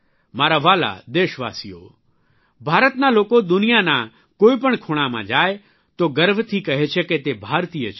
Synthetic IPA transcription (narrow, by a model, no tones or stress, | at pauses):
maːɾaʋaːla̰d̪eːʃʋa̰ːsijo̰ | bʱaːɾət̪naloːkod̪ʊnijana | koːipəɳkʰoːɽ̃amã̰d͡ʒaːe | t̪oɡəɾbʱt̪ʰikɐɦet͡ʃʰeket̪ebʱaːɾt̪iːət͡ʃʰ